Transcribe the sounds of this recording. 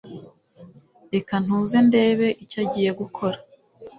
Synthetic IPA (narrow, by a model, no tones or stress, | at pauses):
ekan̥huːze̞nde̞ːβe̞ʔicaɟiːje̞ɡukʰo̞ɾḁ